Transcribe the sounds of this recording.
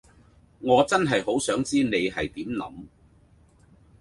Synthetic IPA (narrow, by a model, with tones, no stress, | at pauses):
ŋɔː˨˧t͡sɐ˥nɦɐ˨jho˨˥wsœː˨˥ŋt͡siː˥ne˨˧jɦɐ˨jt̪iː˨˥mlɐ̰˨˥m